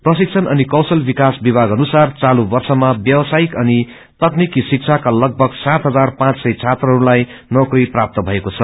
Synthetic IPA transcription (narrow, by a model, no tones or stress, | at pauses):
prʌsik̚t͡sʰʌnʌnikʌwsʌlbikasbibʱaɡɦʌnusart͡salubʌrsʌmabjʌwsaikʌni | t̪ʌknikisik̚t͡sʰakalʌɡ̚bʱʌɡsat̪ɦʌd͡zarpãt͡ssʌjt͡sʰat̪rʌɦɾulajnʌkriprap̚t̪ʌbʱʌekot͡sʰʌ